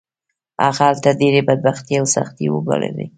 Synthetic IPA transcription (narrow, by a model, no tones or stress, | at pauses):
a̰ɣaalt̪adeɾebad̪̚baxt̪jeawsa̰xt̪ewəɡa̰lḛd̪ḛj